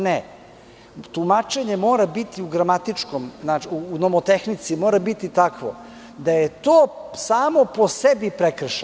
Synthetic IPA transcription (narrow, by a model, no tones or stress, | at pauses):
ne | t̪umat͡ʃe̞ɲe̞mo̞ːɾabit̪iuɡɾamat̪it͡ʃko̞mznat͡ʃiuːnomot̪exnit̪simoːɾabit̪it̪akʋo̰ | d̪aje̞t̪oːsaːmo̞posebipɾekr̩ʃ